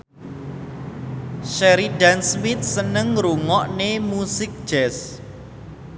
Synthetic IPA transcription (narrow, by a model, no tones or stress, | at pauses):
ʃɛɾiɖansmit̪̚sənəŋɾuŋɔʔnemusɪk̚d̥ʒ̥ɛs